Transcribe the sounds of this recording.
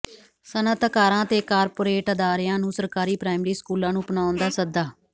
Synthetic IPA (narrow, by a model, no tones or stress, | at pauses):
sənət̪kaːɾãːt̪eːkaːɾpoːɾeːʈəd̪aːɾjãːnũːsəɾkaːɾiːpɾaːɪmɾiːskuːlãːnũːpənaːʊnd̪aːsəd̪aː